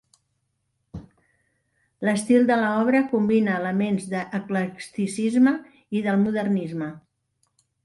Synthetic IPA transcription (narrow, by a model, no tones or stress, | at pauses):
ləst̪ilˠd̪ələɔβ̞ɾəkumbinəːləmenzðəʔːkləkst̪isizmə | iðəlˠmuðərnizmə